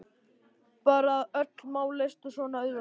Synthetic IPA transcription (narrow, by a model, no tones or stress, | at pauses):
paːɾaðœt̪lmaːwlest̪ɔsvɔːnaœða